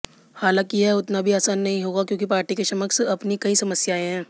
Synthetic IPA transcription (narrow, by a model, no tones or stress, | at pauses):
haːlãːkiɦɛʊt̪nabʱiaːsaːnːɐɦĩɦoːɡakjõːkipaːɾʈikeʃɐməksɐpnikɐisɐməsjaːẽɦɛ̃ː